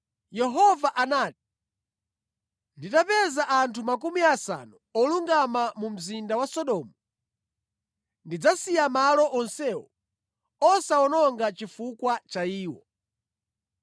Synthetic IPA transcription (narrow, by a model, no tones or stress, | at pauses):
jɛɦɔvaʔanaːt̚i̥ | nditapɛzaʔantʰumak̬umiasa̰nuɔluŋɡamamum̩zindawasɔɗɔːmɔ | ndid͡zasijamalɔʔɔnsɛwɔ | ɔsaɔnɔŋɡat͡ʃifukwat͡ʃaiːwɔ